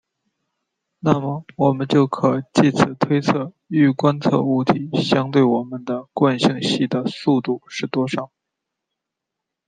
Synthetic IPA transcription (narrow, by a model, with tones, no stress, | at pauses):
na˥˩mə˩wɔ˨˩mə˦nt͡ɕjo˥˩ʊkʰɤ˨˩˦t͡ɕi˥˩t͡sʰɹ̩˨˩t̪ʰwe˥ɪt͡sʰɤ˥˩ | y˥˩kwa˥nt͡sʰɤ̰˥˧u˥˩t̪ʰi˨˩˥ɕjɑ˥ŋt̪we˥˩ɪwɔ˨˩mə˦nd̪ə˧kwa˥˧nɕi˥˧ŋɕi˥˩d̪ə˩su˥˧t̪u˥˩ʂɻ̩˥˩t̪wɔ˥ʂɑ˨˩˦ʊ